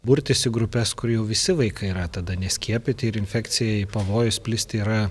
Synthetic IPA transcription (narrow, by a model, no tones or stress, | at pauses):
bʊɾʲt̪ʲɪsʲɪɡɾʊpʲɛskʊɾjɛʊʋʲɪsʲɪʋɐɪkɐɪiːɾɐt̪ɐd̪ɐnʲɛsʲkʲiɛpʲɪt̪ʲɪɪɾɪnʲfʲɛkt̪sʲɪjɛɪpɐʋoːjʊsʲpʲlʲɪsʲt̪ʲɪiːɾɐ